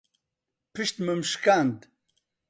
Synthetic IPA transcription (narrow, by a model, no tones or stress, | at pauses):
pʰɨʃt̪məmʃkand̪